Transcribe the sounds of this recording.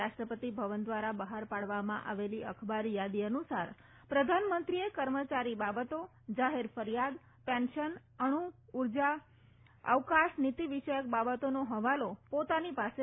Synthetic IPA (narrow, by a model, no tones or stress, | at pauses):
aʃʈɾəpət̪ibʱəʋənd̪ʋaɾabəɦaɾpaɽʋamãʔa̰ʋeliəkʰbaɾjad̪iənusaɾ | pɾəd̪ʱanmənt̪ɾiekəɾmət͡ʃaɾibabət̪o | d͡ʒaɦeɾfəɾijad̪ | pɛ̃nʃən | əɽ̃uuɾd͡ʒa | ə̰ʋkãʃnit̪iʋiʃəjək̚babət̪onoɦəʋalopot̪anipase